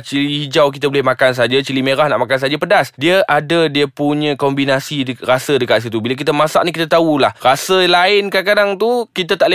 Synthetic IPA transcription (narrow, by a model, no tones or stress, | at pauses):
t͡ʃilihid͡ʒawk̬it̪abolɛhmakans̬aad͡ʒat͡ʃilimẽɾahnaʔmakansad͡ʒapədasdiəʔadədiəpuɲə̃kombinasirasədəkat̪s̬it̪ubilək̬it̪amãsa̰ʔnik̬it̪at̪aulahrasəlaɪnkakadaŋt̪ukit̪at̪aʔlə